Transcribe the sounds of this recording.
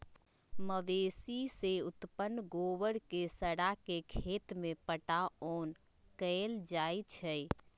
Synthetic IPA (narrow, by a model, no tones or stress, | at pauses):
məʋesiseʊt̪pənːɡoʋəɽkesəɽakekʰet̪mepəʈaon | kəld͡ʒajt͡ʃʰə